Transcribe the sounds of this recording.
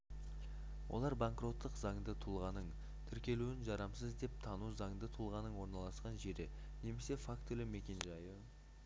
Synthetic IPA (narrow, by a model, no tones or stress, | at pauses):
wʔo̞̰lˠɑɾbaŋkro̞t̪ːəqzɑɴd̪ət̪ʰulˠʁɑnəɴ | t̪ʰʏɾkʲe̞luɪnʒɑɾɑmsəzd̪e̞p̚t̪ʰɑnuzɑŋd̪ət̪ʰʊlˠʁɑnəɴwo̞ɾnɑlˠɑsqɑnʒe̞ɾɪ | ne̞me̞se̞fakt̪ʰʏlɪme̞kʲe̞nʒɑjə